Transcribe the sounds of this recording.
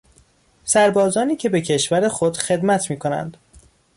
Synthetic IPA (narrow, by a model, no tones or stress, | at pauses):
sæɾbɒːzɒːniːcʰebe̞cʰe̞ʃvæɾe̞xo̞d̪̥xe̞d̪mæt̪ʰmiːkʰo̞næ̰nd̪̥